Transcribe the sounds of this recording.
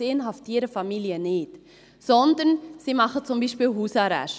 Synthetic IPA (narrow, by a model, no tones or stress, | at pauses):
eːənɦɑftiːɾəfɑmiliənɪːt | sɔnd̪ənsiːmɑχət͡sʊmbiːʃpiːlɦuːsɑɾæ̰ʃ